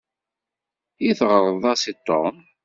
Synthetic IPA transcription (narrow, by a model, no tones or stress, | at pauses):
jiθʁəɾˤəðˤɑsit̪ˤːo̰n